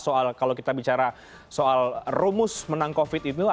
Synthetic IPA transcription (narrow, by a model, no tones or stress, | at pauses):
soalkalowkit̪abit͡ʃaɾa | soalrumʊsmənaŋkofɪt̪it̪u